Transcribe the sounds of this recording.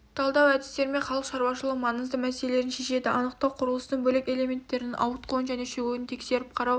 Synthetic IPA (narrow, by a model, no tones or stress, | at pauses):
t̪ʰɑlˠd̪ɑwæd̪ɪ̥st̪e̞ɾɪme̞ɴχɑlˠəqʃɑɾwɑʃəlˠəqmɑɴəzd̪əmæselele̞ɾɪnʃe̞ʃe̞d̪ɪʔɑnəq̚t̪ɑwqʰʊɾəlˠəst̪əɴbɵleke̞lʲe̞mʲe̞nt̪ːe̞ɾɪnɪnʔɑ̰wət̪qʰoənʒæne̞ʃeɡuɪnt̪ʰe̞kse̞ɾɪp̚qʰɑɾɑw